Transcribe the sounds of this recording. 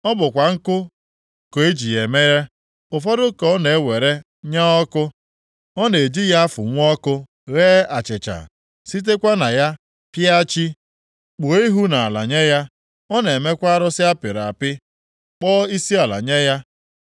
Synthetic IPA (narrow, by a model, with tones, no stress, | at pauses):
ɔ˦bʊ˨kʷa˨ŋ̩˦kʊ˦ | ko˨e˦d͡ʒi˨je˨me˦ɣe˦ | ʊ˨fɔ˦ɾʊ˦kɔ˨ɔ˦ne˨e˦we˨ɾe˦ | ɲa˦ɔ˦kʊ˦ | ɔ˦ne˨e˨d͡ʒi˦ja˦a˦fʊ̰˨ŋʷ˦ɔ˦kʊ˦ | ɣeː˦a˨t͡ʃɪ˨t͡ʃa̰˨ | si˦t̬e˦kʷa˦na˨ja˦ | pja˦t͡ʃi˦ | k͡pʊ˨i˦ɦu˦na˨a˨la̰˨ɲe˦ja˦ | ɔ˦ne˨me˦kʷa˦a˦ɾʊ˦sɪ˦a˦pɪ˨ɾa̰˨pɪ˦ | k͡pɔː˦i˦si˦a˨la̰˨ɲe˦ja˦